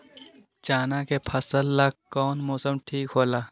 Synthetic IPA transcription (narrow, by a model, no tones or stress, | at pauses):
t͡ʃaːnakepʰɐsəlːaːkɔːnmoːsəmʈʰiːkɦoːlaː